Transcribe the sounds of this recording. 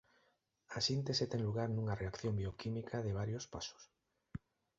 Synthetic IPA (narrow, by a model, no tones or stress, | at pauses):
asint̪eset̪eŋluɣaɾnũŋareakθjombiokʰimikʰaðeβ̞aɾjospasʊ̥s